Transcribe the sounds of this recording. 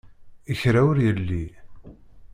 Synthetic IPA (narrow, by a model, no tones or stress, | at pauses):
əçɾaʊɾjəlːi